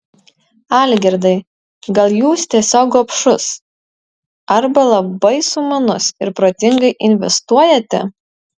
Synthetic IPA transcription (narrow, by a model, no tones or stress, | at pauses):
ɑːlʲɡʲɛɾd̪ɐɪ | ɡɐlˠjuːst̪ʲiɛsʲoːɡɐpʃʊs | ɐɾbɐlˠɐbɐɪsʊmɐnʊsɪɾpɾoːt̪ʲɪŋɡɐɪʔɪnʲʋʲɛ̰st̪uɔjɛt̪ʲɛ̰